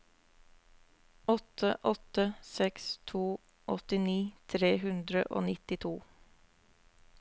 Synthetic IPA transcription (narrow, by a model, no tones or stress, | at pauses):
ɔt̪ʰəʔɔt̪əsɛkst̪ʰuː | ʔɔt̪ɪniːt̪ʰɾeːhʉnd̪ɾəʔo̰ːnɪt̪ɪt̪ʰuː